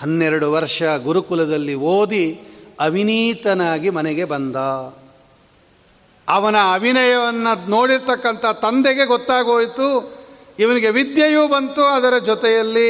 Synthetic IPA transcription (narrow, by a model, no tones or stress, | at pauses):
hɐnːɛɾɐɽuʋɐɾʂɐɡuɾukulɐd̪ɐlːioːd̪iɐbʱiniːt̪ɐnaːɡimɐnɛɡe̞bɐnd̪a | ɐʋɐnɐːbʱinɐjɐʋɐnːɐno̞ːɽiɾt̪ɐkːɐnt̪ʰɐt̪ɐnd̪ɛɡe̞ɡɔt̪ːaːɡoːjt̪u | iʋɐniɡe̞ʋid̪jɐjuːbɐnt̪uɐd̪ɐɾɐd͡ʒɔt̪ɛjɐlːi